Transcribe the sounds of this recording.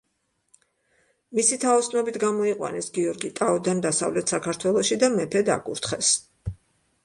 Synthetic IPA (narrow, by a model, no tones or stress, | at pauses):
misit̪ʰaɔsnɔbit̪ʰɡamɔiqʼwa̰nɛsɡiɔɾɡit̪ʼaɔd̪and̪asa̰vlɛt̪ʰsakʰaɾt̪ʰwɛlˠɔʃid̪amɛpʰɛd̪a̰kʼuɾt̪ʰχɛs